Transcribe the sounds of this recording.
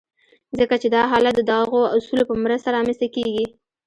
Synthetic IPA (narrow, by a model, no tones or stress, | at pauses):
zəkat͡ʃed̪ɑɦɑlat̪̚d̪əd̪ɑɣoʊsulopəmɾəst̪aɾɑməst̪akeɡi